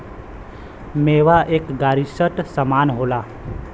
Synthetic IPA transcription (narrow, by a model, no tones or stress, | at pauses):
meːʋaʔeːkɡaːɾisəʈsəmaːnɦolaː